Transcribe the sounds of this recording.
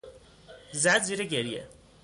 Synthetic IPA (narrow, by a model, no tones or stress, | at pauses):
zæd̪ziɾeɡeɾijḛ